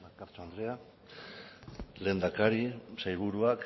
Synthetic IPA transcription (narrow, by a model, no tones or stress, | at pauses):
akaɾt͡soand̪ɾea | le̞ːnd̪akaɾisajβ̞uɾuak